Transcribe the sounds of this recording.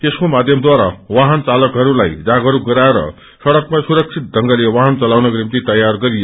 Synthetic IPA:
t̪eskomad̪ʱjʌmd̪waɾa̰waɦʌnt͡salʌkɦʌɾulajd͡zaɡɦʌɾuɡʌɾaeɾʌ̰ | sʌɽʌk̚masuɾʌk̚t͡sʰit̪̚d̪ʱʌŋɡʌlewaɦʌnt͡sʌlawnʌɡrimt̪it̪ʌjarɡʌɾije

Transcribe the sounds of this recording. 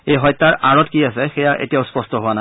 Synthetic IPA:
ejɦɔjt̪ːaɹʔaɹɔtkias̬ɛxɛjaʔḛtijaʊspɔstɔɦowana

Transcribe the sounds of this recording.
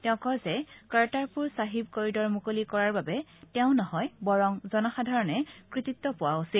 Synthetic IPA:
tɛʊ̃kɔjzɛkaɹtaɹpuɹsaɦibkoɹidɔɹmukolikɔɹaɹbabɛtɛʊ̃nɔhɔjbɔɹɔŋzɔnɔxadʱaɹɔnɛkɹititːɔpʊwausil

